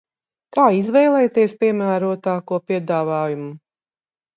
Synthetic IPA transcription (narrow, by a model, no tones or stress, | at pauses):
kaːizvɛjlˠɛjt̪iɛspiɛmæːɾuɔt̪aːkuɔpiɛd̪aːvaːjumu